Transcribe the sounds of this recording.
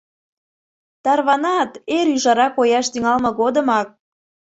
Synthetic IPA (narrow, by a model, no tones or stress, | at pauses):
t̪ɑrβɑnɑt̪eɾyʒɑɾɑkojɑʃt̪yŋɑlmɤ̆ɣod̪əmɑk̚